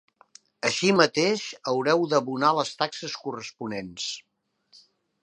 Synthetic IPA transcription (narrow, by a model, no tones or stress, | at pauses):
əʃimət̪eʃəwɾɛwðəβunaləst̪aksəskurəspunens